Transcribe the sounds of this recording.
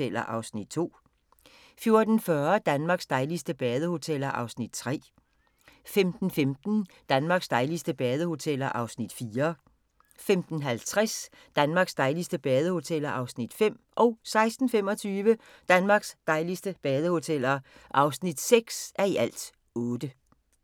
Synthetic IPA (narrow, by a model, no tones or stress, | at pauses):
el̰ɐ̰ʔɑ̈ʊsnid̥̚t͡sʰo̝̰ː | fjo̝ɐd̥n̩fɶɐd̥ænmɑ̈ːɡ̥sd̥ɑ̈ɪlisd̥əb̥ɛːð̞ˠəho̝t͡sʰel̰ɐʔɑ̈ʊsnid̥t͡sʰʁɛ̰ː | femd̥n̩femd̥n̩d̥ænmɑ̈ːɡ̥sd̥ɑ̈ɪlisd̥əb̥ɛːð̞ˠəho̝t͡sʰel̰ɐʔɑ̈ʊsnid̥fiːɐ | femd̥n̩ɦælt͡sʰʁɛs | d̥ænmɑ̈ːɡ̥sd̥ɑ̈ɪlisd̥əb̥ɛːðˠəho̝t͡sʰel̰ɐʔɑ̈ʊsnid̥fem̰ | ʔɒ̽ʊsɑ̈ɪsd̥n̩fem̰ɒ̽t͡sʰyːʋə | d̥ænmɑ̈ːɡ̥sd̥ɑ̈ɪlisd̥əb̥ɛːð̞ˠəho̝t͡sʰel̰ɐʔɑ̈ʊsnid̥seɡ̥sʔæɐiʔæl̰d̥ | ɔ̽ːd̥ə